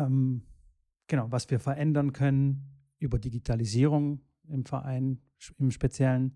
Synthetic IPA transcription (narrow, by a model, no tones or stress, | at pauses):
ʔɛm | ɡ̥ənaʊvasv̥iːɐfɛɐʔɛndɐnkʰœnən | ʔyːbɐdiɡitʰaliziːʁ̞ʊŋ | ɪmfɛɐʔa̰ɪn | ɪmʃpet͡sjɛlən